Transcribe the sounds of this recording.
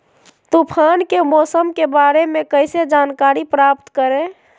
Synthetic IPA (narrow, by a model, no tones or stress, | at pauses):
t̪upʰankemɔːsəmkebaɾemekəɪsed͡ʒankaɾipɾap̚t̪kəɾẽ